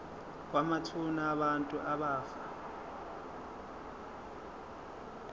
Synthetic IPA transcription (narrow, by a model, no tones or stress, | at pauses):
k̬ʼwamatʰunaːβantʼuʔaβaːfa